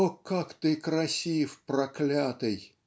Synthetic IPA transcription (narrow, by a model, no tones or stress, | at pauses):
okːakt̪ɨkɾɐsʲifprɐklʲat̪ɨj